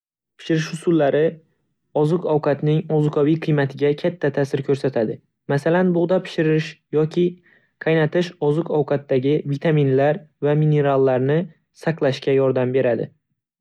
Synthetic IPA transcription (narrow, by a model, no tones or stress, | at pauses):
pʰɪ̥ʃɪɾɪʃhʊsʊlːaɾɪ | ɒzɨqʰɒwqʰɑt̪nɪŋɒzʊqʰɒvijqʰɨjmat̪ʰɪɡʲakʲʰat̪ʰːat̪ʰasɪɾkʰɵɾsat̪ʰad̪ɪ | masalanbʊʁd̪apʰɪ̥ʃɪɾɪʃjɒkʲʰɪ | qʰɑjnat̪ʰɪʃɒzɨqʰɒwqʰɑt̪ːaɡʲɪvit̪ʰaminlaɾvamine̞ɾalˠːaɾnɪ | saqlˠaʃkʲajɒɾd̪ambe̞ɾad̪ɪ̰